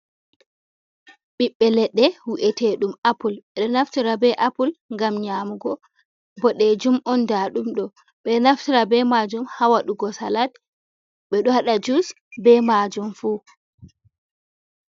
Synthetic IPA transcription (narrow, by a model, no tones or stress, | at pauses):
ɓiɓːɛlɛɗːɛwuʔɛtɛɗumapulɓɛɗɔnaftiɾabɛʔapulŋɡamɲamuɡɔ | bɔɗɛd͡ʒumʔɔndaɗumɗɔ | ɓɛnaftiɾabɛmad͡ʒumhawaɗuɡɔsalad̚ | ɓɛɗɔhaɗad͡ʒus | bɛmad͡ʒumfuː